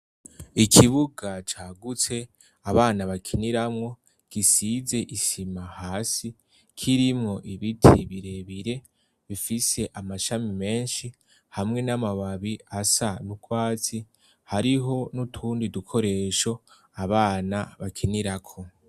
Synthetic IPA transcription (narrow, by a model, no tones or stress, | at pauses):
ikʰiβuɡat͡ʃaːɡut͡se̞ | aβaːnaβakʰiniɾamŋo̞ | ɡ̥isize̞ʔisimahaːsi | kʰiɾimŋo̞ʔiβitʰiβiɾe̞βiɾe̞ | βifise̞ʔamaʃamime̞ːnʃi | hamŋe̞namaβaβiasanukwaːt͡si | haɾiɦo̞nutʰuːndidukʰo̞ɾe̞ːʃo̞ | aβaːnaβakʰiniɾakʰo̞